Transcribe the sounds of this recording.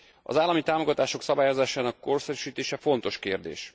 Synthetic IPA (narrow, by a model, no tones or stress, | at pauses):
ɒ̰zaːlːɒmit̪aːmoɡɒt̪aːʃo̞ksɒbaːjozaːʃaːnɒkːo̞rsɛɾyʃiːt̪eːʃɛfo̞nt̪o̞ʃkeːrd̪ḛːʃ